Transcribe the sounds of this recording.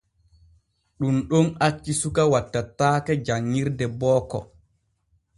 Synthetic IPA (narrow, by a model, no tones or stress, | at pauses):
ɗumɗɔnat͡ʃːisukawatːatːaːkɛd͡ʒaŋːiɾdɛbɔːkɔ̰